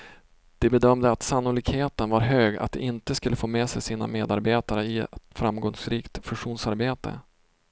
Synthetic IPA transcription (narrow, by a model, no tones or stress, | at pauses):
d̪̥ɛbɛd̪œmd̪əat̪sanːʊliːɡheːt̪ənvaɾɦøːɡa̰t̪̚d̪ɛ̰ʔɪnt̪əskɵlːəfoːmeːsɛjsiːna̰meːd̪aɾbeːt̪aɾəɪɛt̪fɾamɡɔŋsɾiːkt̪fɵnʂuːnsaɾbeːt̪ə̰